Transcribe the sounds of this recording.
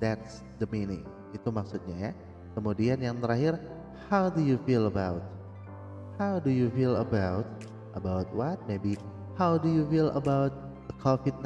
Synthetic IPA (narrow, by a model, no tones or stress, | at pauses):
dɛt̪s | d̪əminɪ̰ŋ | it̪umaksut̪̚ɲaja | kəmudianjaŋt̪əɾaɦɪr | hawdujufiləbawt̪̚ | hawdujufilə̰bawt̪̚ | ʔəbawt̪̚wat̪̚mebi | hawdujufilə̰bawt̪̚ | dəkʰofɪd̚n